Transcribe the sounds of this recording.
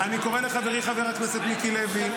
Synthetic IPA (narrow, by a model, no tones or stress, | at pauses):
aniko̞ʁeleχaveʁiχaveʁatmeset̪mikilevi